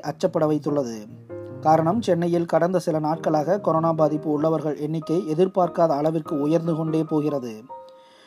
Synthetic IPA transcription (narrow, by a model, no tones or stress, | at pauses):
ʔɐt͡ʃːɐpːɐɽɐʋɐɪt̪ːɯɭːɐðɯ | kaːɾɐɳɐmt͡ʃɛnːɐjɪlkɐɽɐnd̪ɐsɪlɐnaːʈ̚kɐɭaːɣɐkɔɾoːnaːbaːðɪpːɯʊɭːɐʋɐɾɣɐɭɛɳːɪkːɐɪɛðɪɾpaːɾkaːðɐːɭɐʋɪrkɯʊjɐɾnd̪ɯkɔɳɖeːpoːɣɪrɐðɯ